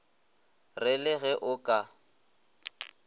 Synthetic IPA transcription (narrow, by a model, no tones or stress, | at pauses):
rɪlɪɣɛʔʊkʼa